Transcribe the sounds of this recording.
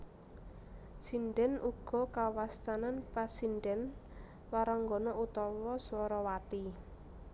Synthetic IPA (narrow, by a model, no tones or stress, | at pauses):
sinɖɛnʔuɡ̥ɔ̤kawast̪ananpasiɳɖɛn | waɾaŋɡɔnɔut̪ɔwɔswɔɾɔwat̪i